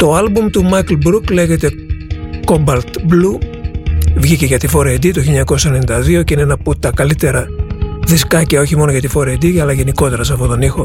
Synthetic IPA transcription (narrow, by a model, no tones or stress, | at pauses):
t̪o̞ɐlbumt̪umɐklbɾukle̞ʝe̞t̪e̞ko̞bɐlt̪blu | vʝiceʝɐt̪ifo̞ɾɐid̪it̪oçilɲɐko̞sɐennind̪ɐðio̞ceineenɐput̪ːɐkɐlit̪e̞ɾɐðiskɐciɐo̞çimo̞noʝɐt̪ifo̞ɾɐed̪iɐlɐʝe̞niko̞t̪e̞ɾɐs̬ɐfot̪o̞nixo̞